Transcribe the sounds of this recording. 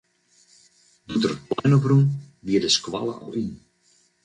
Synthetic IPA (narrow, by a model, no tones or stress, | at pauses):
dutərət̚plɛjnoprun | ʋiədəskwa̰lˠə̰ɔ̰lˠin